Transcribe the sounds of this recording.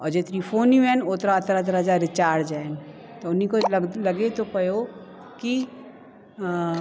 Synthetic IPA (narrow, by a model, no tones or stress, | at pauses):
ɔːɾd͡ʒet̪ɾifʰoːnjũɛ̃not̪ɾaɐt̪ɾat̪̬əɾɐd͡ʒaɾɪt͡ʃaːɾd͡ʒan | t̪oʊnɦikolɐɡet̪opɐjo | ki